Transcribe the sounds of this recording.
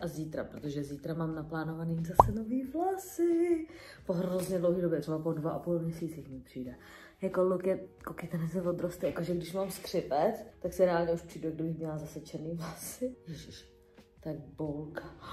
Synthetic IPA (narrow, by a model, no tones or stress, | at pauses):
ʔaziːt̪ɾa̰pɾot̪oʒɛziːt̪ɾamaːmnaplaːnovaniːmzasɛnoviːvlasɪ | poɦɾozɲɛdlowɦiːdobjɛt̪rɛbapodvaʔapulmɲɛsiːt͡sixmɪpr̝̥iːdɛ | jakolukjɛkokɪt̪ɛnɛsɛvod̪ɾost̪ɛjakoʒɛɡdɪʃmaːmskr̝̥ɪpɛt͡st̪aksɪɾɛaːlɲɛuʃpr̥iːdɛɡ̚dɪbɪxmɲɛlazasɛt͡ʃɛɾniːvlasɪjʒʃ | t̪aɡ̚bolka